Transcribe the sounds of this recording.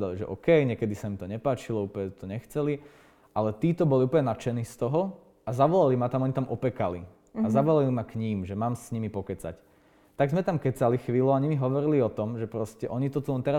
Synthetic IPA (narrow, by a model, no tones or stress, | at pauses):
d̪aliʒɛ̰ʔɔkɛjɲɪɛkɛd̪isaimt̪ɔɲɛpaːt͡ʃilɔuːpəɲɛt̪ɔɲɛxt͡sɛli | ʔalɛt̪iːt̪ɔbɔliuːpəɲɛnat͡ʃɛniːst̪ɔɦɔ | azaʋɔlalimat̪amɔɲit̪amʔɔpɛkalḭ | azaʋɔlalimakɲiːmʒɛmaːmsɲimipɔkɛt͡sa̰c | t̪aɡzmɛt̪amkɛt͡salixʋiːluaɲimiɦɔʋɔɾiliɔt̪ɔmʒɛpɾɔscɛʔɔɲit̪ɔt̪ulɛnt̪ɛɾa